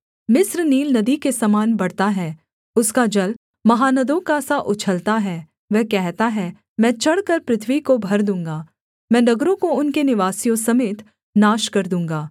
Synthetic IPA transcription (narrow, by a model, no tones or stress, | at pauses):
mɪsɾniːlnɐd̪ikesɐmaːnbɐɽt̪aɦɛː | ʊskad͡ʒɐl | mɐɦaːnɐd̪õkasaʔʊt͡ʃʰəlt̪aɦɛː | ʋɛɦkɛɦt̪aɦɛ | mɛ̃ːt͡ʃɐɽkəɾpɾɪt̪ʰʋikobʱɐɾd̪ũːŋɡaː | mɛ̃ːnɐɡɾõkoʊnkenɪʋaːsijõsɐmeːt̪ | naːʃkɐɾd̪ũːŋɡaː